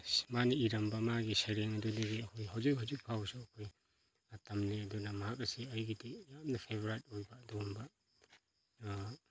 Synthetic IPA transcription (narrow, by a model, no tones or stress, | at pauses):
smaniiɾɐmbɐmaɡisajɾeŋɐdudiɡiɐkʰojɦawzikɦawzik̚pʰawsuɐkʰoj | tɐmniɐdunɐmɐɦakɐsiɐjɡitijamnɐpʰebʱoɾajt̚ojbɐːdombɐ